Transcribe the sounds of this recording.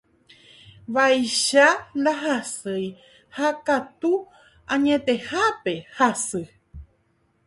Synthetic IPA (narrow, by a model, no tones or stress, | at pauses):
ʋajʃand̪aɦasɨj | hakat̪u | ãɲẽ̞t̪ehape̞hasɨ